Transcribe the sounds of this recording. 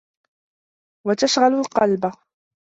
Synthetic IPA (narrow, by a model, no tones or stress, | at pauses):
wat̪aʃɣalʊlqɑlba